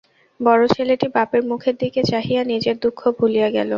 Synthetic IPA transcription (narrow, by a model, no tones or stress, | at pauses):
bɔɾot͡ɕʰeleʈibapeɾmukʰeɾd̪iket͡ɕaɦijanid͡ʑeɾd̪ukʰːobʱulijaɡɛ̰lo